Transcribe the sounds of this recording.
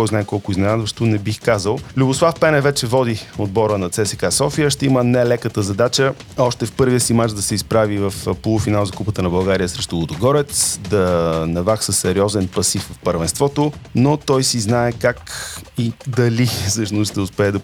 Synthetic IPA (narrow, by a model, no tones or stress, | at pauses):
k̪ɔjznaɛkɔlˠkʊiznɛnad̪vəʃtt̪ʊnɛbixkazəlˠlʲubʊslˠafpɛnɛvɛt͡ʃɛvɔd̪iod̪bɔɾənɐt̪sɛsɛkasɔfijəʃt̪ɛimənɛlɛkət̪əzɐd̪at͡ʃə | ɔʃt̪ɛfpɤɾvijəsimat͡ʃd̪ɐsɛispɾavivəfpolˠufinalˠzɐkupət̪ənɐbɐlˠɡaɾijəsɾɛʃt̪ʊlˠod̪oɡɔɾɛt̪sd̪ɐnɐvaksəsːɛɾiɔzɛnpɐsiffpəɾvɛnst̪vɔt̪onot̪ɔjsiznaɛkakid̪ɐlisɤʃnʊsʃt̪ɛʊspɛɛd̪ɐ